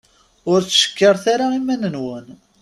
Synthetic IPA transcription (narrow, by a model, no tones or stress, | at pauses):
ʊɾt͡sːʃə̥kːəɾˤθaɾaimænənwən